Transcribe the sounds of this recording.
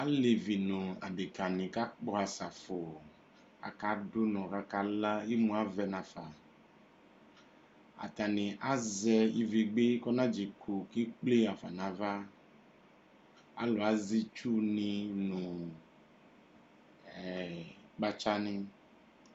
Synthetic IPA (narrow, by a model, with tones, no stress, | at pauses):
a˦le˨vi˨nũ˨a̰˨ɖe˨ka˨nĩ˨ka˦k͡pɔ˦a˨sa˨fo˨ | a̰˨ka˨˦do˦nɔ̃˨ɣa˦ka˨la˦e˦mũ˨a˦vɛ˦nã˨fa˨ | a̰˨t̪a˨nĩ˨ʔa˦zɛ˦i˦vi˨ɡ͡be˦kɔ˦nã˦d͡ʒi˨ko˨ki˦k͡ple˦a˨fa̰˨nã˨va˦ | a̰˦lɔ˨a˨˦zi˦t͡ʃu˦nĩ˨nũ˨ | ɛ˨k͡pa˦t͡ʃa˦nẽ˦